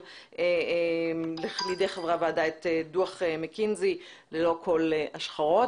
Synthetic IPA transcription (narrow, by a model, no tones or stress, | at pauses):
e | lelideχevʁaveadaet̪eduaχemekinzi | lelo̞kʰo̞leaʃχaʁo̞